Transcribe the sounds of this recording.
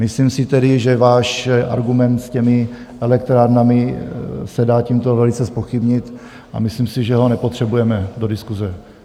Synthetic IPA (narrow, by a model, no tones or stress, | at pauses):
mɪslimsɪt̪ɛdɪʒɛvaːʃʔa̰ɾɡumɛnt̪scɛmɪ | ʔɛlɛk̚t̪ɾaːɾnamɪsɛdaːciːmt̪o̞vɛlit͡sɛspo̞xɪbɲɪt̪ | ʔa̰mɪslimsɪʒɛɦo̞nɛpot̪r̝̥ɛbujɛmɛdo̞dɪskuzɛ